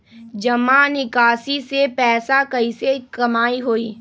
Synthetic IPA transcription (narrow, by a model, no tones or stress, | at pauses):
d͡ʒɐmanɪkaːsisepɛːsakɐisekɐmaːiɦoːiː